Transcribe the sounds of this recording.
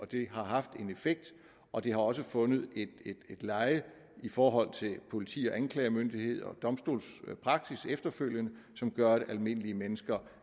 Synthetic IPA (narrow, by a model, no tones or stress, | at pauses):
ɒ̽d̥e̝ɦɑ̈ɦɑ̈fd̥e̝ne̝feɡ̥̚d̥ | ʔɒ̽d̥e̝hɑ̈ɒ̽s̬əfɔ̽nð̩ˠe̝d̥ed̥ed̥lɑ̈ɪə | ifɒːɦɒ̽l̰t͡sʰe̝lpʰo̝lit͡sʰḭːɒ̽ʔænkʰlɛːɐmønd̥ihe̝ð̞̰ˠɒ̽d̥ɒ̽msd̥o̝̰ːlspʰʁɑ̈ɡ̥sisefd̥ɐføl̰jənə | sɒ̽mɡ̥ɶɐɾ̥eʔælme̝n̰liəmenəsɡ̥ɐ